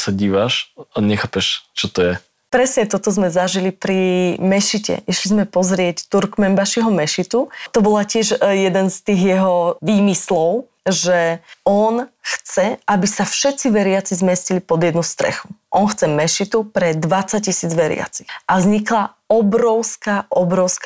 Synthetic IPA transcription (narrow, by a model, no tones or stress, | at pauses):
saɟiːʋaʃaɲɛxaːpɛʃt͡ʃɔt̪ɔjɛ | pɾɛsɲɛt̪ɔt̪ɔzmɛzaʒilipɾimɛʃicɛ̰ʔiʃlizmɛpɔzɾɪɛct̪uɾkmɛmbaʃiɦɔmɛʃit̪ut̪ɔbɔlacɪɛʒjɛd̪ɛnst̪iːɣjɛɦɔʋiːmislɔʊ | ʒɛɔnxt͡sɛʔabisafʃɛt̪t͡siʋɛɾɪat͡sizmɛscilipɔd̪jɛd̪nust̪ɾɛ̰xu̥ʔɔnxt͡sɛmɛʃit̪upɾɛd̪ʋat͡sac̚cisiːd͡zʋɛɾɪa̰t͡si̥xʔazɲikla | ɔbɾɔʊskaʔɔbɾɔʊsk